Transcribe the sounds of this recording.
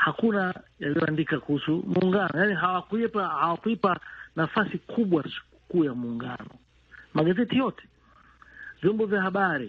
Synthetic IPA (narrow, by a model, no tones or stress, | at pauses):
hakunajalijɔandikakuhusumuːŋɡanɔjaniɦawakuipahawakuipanafasikʰuɓwasu̥ | kuːjamuːŋɡa̰nɔ̰ | maɠazɛtijɔtɛ̥ | vjɔmbɔvjahaɓaɾi